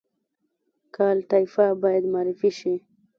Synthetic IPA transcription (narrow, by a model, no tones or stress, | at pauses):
kɑlʈ̪ajfabɑjad̪maːɾɪfiʃi